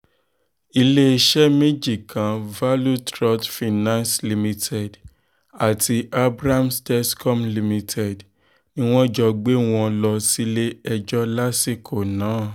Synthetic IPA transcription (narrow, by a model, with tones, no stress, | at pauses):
i˧le˦i˧ʃɛ˦mẽ˦d͡ʒi˦˨kã˨˦va˦lu˦tɾɔ˦tfi˨nã˦nsli˧mĩ˧tʰɛ˨d | a˨tʰi˧a˦bɾa˦msdɛ˦skɔ˦mli˧mĩ˧tʰɛ˨d | nĩ˦w̃ɔ̃˦d͡ʒɔ˧ɡ͡be˦w̃ɔ̃˧lɔ˧si˦le˦ɛ˧d͡ʒɔ˦la˦si˦˨kʰo˨nãː˨˦˨